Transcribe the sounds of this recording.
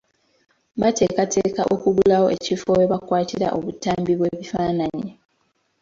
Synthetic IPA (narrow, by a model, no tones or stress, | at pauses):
βate̞ːkate̞ːkaʔo̰kuɡulawo̞ʔe̞cifo̞we̞βakwaːtiɾa̰ʔo̞βutaːmbiβwe̞ːβifaːnaɲi